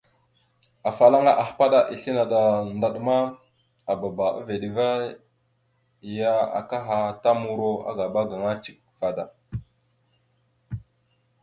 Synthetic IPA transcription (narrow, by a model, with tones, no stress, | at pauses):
a˨fa˨la˦ŋa˦ʔa˨hpa˦ɗa˦ʔi˨ɬi˦na˨ɗa˨nda˨ɗma˦ | a˨ba˨ba˨a̰˦ve˨ɗi˨va˦˨ | ja˦a̰˨ka˦ɦa˦˨ta˦mu˨ɾo˦a̰˦ɡa˨ɓa˦ɡa˨ŋa˦t͡ʃi˨k̚fa˨da˨